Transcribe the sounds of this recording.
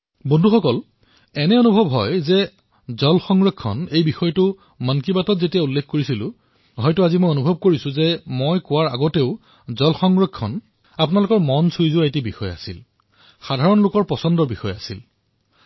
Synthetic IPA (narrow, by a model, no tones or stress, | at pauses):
bɔndʱuxɔkɔl | ɛnɛonubʱɔbɦɔjzɛ | zɔlxɔŋɡɹɔkʰːɔ̰nejbixɔjtʊ | mankibatɔtzetijaulːekʰkoɹisilʊ̰̃ | ɦɔjtʊazimojonubʱɔb̚koɹisʊ̃zɛmojkʊwaɹa̰ɡɔteʊ | zɔlxɔŋɡɹɔkʰːɔn | apnalʊkɔɹmɔnsujzuaetibixɔja̰sḭl | xadʱaɹɔnlʊkɔɹpɔsɔndɔɹbixɔjasḭl